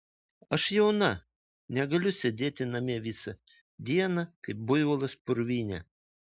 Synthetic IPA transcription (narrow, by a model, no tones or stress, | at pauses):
ɐʃjɛʊnɐ | nʲɛɡɐlʲʊsʲɛd̪ʲeːt̪ʲɪnɐmʲiɛʋʲɪsɐ | d̪ʲiɛnɐkɐɪp̚bʊjʋʊlˠɐspʊɾʲʋʲiːnʲɛ̰